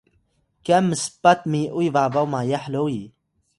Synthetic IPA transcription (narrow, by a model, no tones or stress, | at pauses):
kamːɨspat̪miʔujvabawmajaħlowi